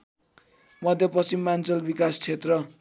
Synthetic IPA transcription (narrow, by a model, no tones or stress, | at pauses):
mʌd̪ʱjʌprʌst͡simːant͡sʌlbikast͡sʰet̪rʌ